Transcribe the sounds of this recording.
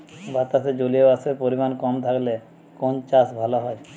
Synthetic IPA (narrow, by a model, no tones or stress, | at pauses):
bʱat̪ased͡ʑolijebasepoɾimankɔmt̪ʰakle | kont͡ʃasbʱalɔɦɔj